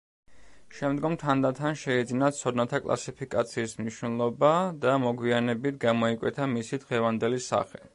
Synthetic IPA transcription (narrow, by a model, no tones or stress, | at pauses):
ʃɛmd̪ɡɔmt̪ʰand̪at̪ʰanʃɛid̪zinat̪sʰɔd̪nat̪ʰakʼlˠa̰sipʰikʼat̪sʰiːsmniʃnɛlˠɔbad̪amɔɡwianɛbit̪ʰɡamɔikʼwɛt̪ʰamisid̪ʁɛvand̪ɛlisa̰χɛ